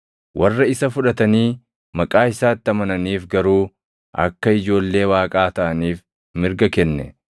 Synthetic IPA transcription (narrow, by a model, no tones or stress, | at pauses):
wʔɐrːɐɪsɐfʊᶑɐt̪ɐniː | mɐkʼaːɪsaːt̪ːɪɐmɐnɐniːfɡɐɾuː | ʔɐ̰kːɐɪd͡ʒo̞ːlːe̞ːwaːkʼaːt̪ɐʔɐniːf | mɪɾɡɐkɛnːɛ